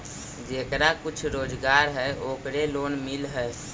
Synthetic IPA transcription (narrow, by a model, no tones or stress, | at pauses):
d͡ʒeːkɾakʊt͡ʃʰɾoːd͡ʒɡaːɾɦɛʔoːkɾeloːnmɪlɦɛ